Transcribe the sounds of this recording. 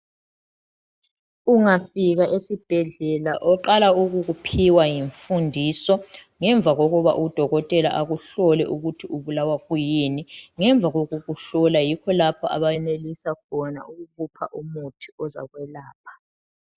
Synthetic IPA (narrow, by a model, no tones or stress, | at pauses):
uŋafiɣaʔesib̥ʱɛɮɛlaʔɔǃalauɣuɣupʰiwajiɱfundʱisɔ | ŋɛɱb̪vʱaɣoɣuβa̰ʔud̥ʱɔɣɔtʼɛla̰ʔaɣuɬɔlɛʔuɣutʰiuβulawaɣujiniŋɛɱvʱaɣoɣuɣuɬɔlajikʰɔlapʰɔa̰βajɛnelisakʰɔna̰uɣuβupʰaʔumutʰi̥ɔza̰ɣwɛlaːpʰḁ